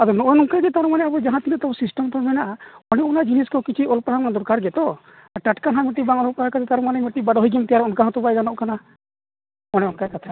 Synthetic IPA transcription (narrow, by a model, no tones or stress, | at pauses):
ad̪ɔnɔʔɔjnɔŋkaɡɛt̪aɾɔmanɛabɔd͡ʒaɦãt̪inɛt̪ɔbɔsisʈɔmt̪ɔɾmɛnaʔaɔnɛunad͡ʒiniskɔkit͡ʃʰiɔlpɾɦamkand̪ɔɾkaɾɡɛt̪ɔ | aʈaʈkanɦamɔʈibaŋɔlɔpakat̪ɛt̪aɾɔmanɛmɔʈːibaɖɦojɡɛmt̪ɛjaɾɛɔnkaɦɔ̃t̪ɔbajɡanɔʔkana | ɔnɛɔnkajkat̪ʰa